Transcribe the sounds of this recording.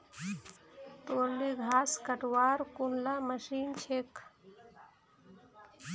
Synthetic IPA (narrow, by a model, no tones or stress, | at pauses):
t̪oːɾliɡʱaːskəʈwaːɾkʊnlaːməʃiːnt͡ʃʰeːkʰ